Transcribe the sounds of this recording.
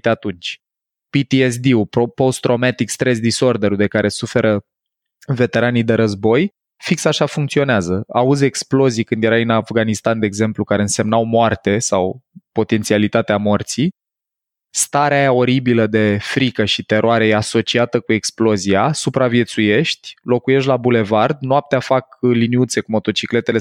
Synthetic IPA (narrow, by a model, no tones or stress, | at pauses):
t̪eat̪unt͡ʃʲ | pit̪ies̬d̪iupopo̞st̪ɾo̞mat̪ikst̪ɾe̞s̬d̪iso̞rd̪eɾud̪e̞kaɾʔe̞sufe̞ɾʔə | ve̞t̪e̞ɾanijd̪e̞ɾəzbo̞j | fiksaʃafuŋkt̪sio̞neazəa̰uze̞ksplo̞zijkɨnd̪je̞ɾainafɡanist̪and̪e̞ːɡze̞mplukaɾeɨnse̞mnawmoart̪e̞sawpo̞t̪ent̪sialit̪at̪eamo̞rt̪si | st̪aɾeajao̞ɾibiləd̪e̞fɾikəʃit̪e̞ɾoaɾe̞jeaso̞t͡ʃiat̪əkue̞ksplo̞ziasupɾavje̞t̪suje̞ʃt̪ʲlo̞kuje̞ʃ̬t̪labule̞vard̪noap̚t̪eafakliniut̪se̞kumo̞t̪o̞t͡ʃikle̞t̪e̞le̞